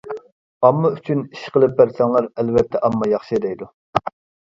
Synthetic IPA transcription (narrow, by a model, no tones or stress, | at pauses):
ɑmːɑyt͡ʃʰyniʃqəlˠɨpːæɾsɛŋlˠɑɾɛlvɛt̪ʰːɛʔɑmːɑjɑχʃid̪ɛjd̪u